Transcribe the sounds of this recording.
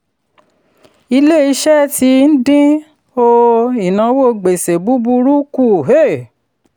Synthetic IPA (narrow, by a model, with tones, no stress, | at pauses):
i˧le˦˨i˧ʃɛ˦ti˧n̩˦dĩ˦ | o˧i˨nã˨˦wo˦˨ɡ͡be˨se˨bu˦bu˧ɾu˦ku˦˨ɦe˦˨